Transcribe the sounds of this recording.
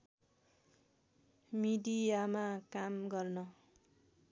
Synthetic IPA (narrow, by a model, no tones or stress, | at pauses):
midijamakamɡʌrnʌ